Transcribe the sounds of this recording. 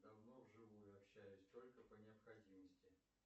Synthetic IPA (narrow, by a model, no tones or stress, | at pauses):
d̪ɐvnovʐɨvujʊɐpɕːæjʊsʲt̪o̞lʲkəpənʲɪɐpxɐdʲiməsʲtʲɪ